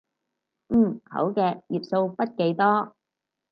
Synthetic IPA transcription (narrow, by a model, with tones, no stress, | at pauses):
m̩ː˨˩hɐ̰˨˥wkɛː˧k̚jiː˨˩p̚so˧wpɐ˥t̚ke˨˧˥jt̪ɔː˥